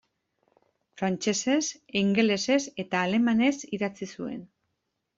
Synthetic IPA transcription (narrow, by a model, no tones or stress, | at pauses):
fɾant͡ʃe̞se̞siŋɡe̞le̞se̞se̞t̪aːle̞mane̞siðat͡sisue̞̰n